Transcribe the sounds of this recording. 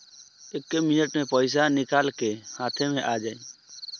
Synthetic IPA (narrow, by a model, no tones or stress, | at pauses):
ɪkːemɪnəʈmẽːpəɪs̬anɪkaːlkehaːt̪ʰẽːmẽʔaːd͡ʒaːĩː